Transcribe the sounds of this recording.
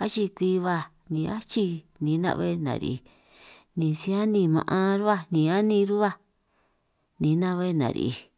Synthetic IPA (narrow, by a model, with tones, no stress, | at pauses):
a˦t͡ʃi˧kʷi˧βa˧ | nĩ˨˧a˦t͡ʃi˧ | nĩ˨˦nã̰˧˦˧βḛ˦˧nã̰˨ɾḭ˧i˧ | nĩ˨sĩ˧˦a˦nĩ˧mã̰˧ʔã˧ɾu˦βa˦nĩ˨a˦nĩ˧ɾu˦βa˦ | nĩ˨˦nã˦˧βe˦˧nã̰˨ɾḭ˧˨i˧